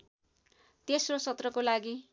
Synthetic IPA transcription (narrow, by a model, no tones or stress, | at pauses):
t̪esrosʌt̪rʌkolaɡi